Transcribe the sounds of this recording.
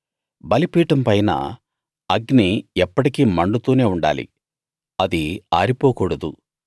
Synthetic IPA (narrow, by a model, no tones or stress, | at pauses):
bɐlipiːʈɐmpɐjna̰ | ɐɡniɛpːɐʈikiːmɐɳɖut̪uːne̞ːuɳɖa̰ːlḭ | ɐd̪ia̰ːɾipoːkuːɽɐd̪u